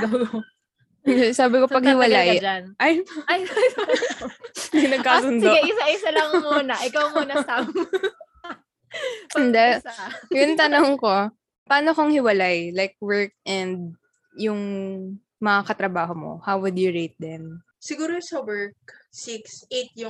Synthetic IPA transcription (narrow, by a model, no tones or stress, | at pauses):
kaw | ɛsaːbɪko̞pɐɡ̚hɪwɐlajd͡ʒanʔajj | inɐɡ̚kaːsʊnd̪oɐʔɪsɐʔɪsɐlɐŋmuːnɐʔɪkawmuːnɐsam | pnd̪ɛjʊnt̪ɐnoŋko̞ | paːnokoŋhɪwɐlajlajk̚wɛɹk̚ʔɛnd̪ | jʊŋ | mɐŋakɐt̪ɾɐbaːɦomo̰hawwʊd̪jʊɹejt̪̚d̪ɛn | sɪɡuːɾosɐwɛɹk̚siksʔet̪̚jʊ